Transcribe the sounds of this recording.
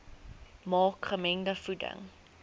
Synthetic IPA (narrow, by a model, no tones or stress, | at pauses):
mɑːkχəmɛŋdəfudə̰ŋ